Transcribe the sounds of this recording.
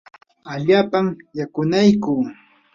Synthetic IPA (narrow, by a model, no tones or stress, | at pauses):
aʎaːpamjakʊnajkuː